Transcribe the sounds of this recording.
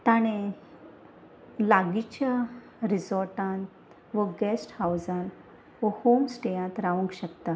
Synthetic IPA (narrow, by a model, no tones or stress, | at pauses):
t̪aɽ̃e | laɡit͡ɕja | ɾisɔɾʈãn | ʋəɡɛsʈhawzan | ʋəhomsʈejãt̪ɾaʋũŋkɕəkt̪a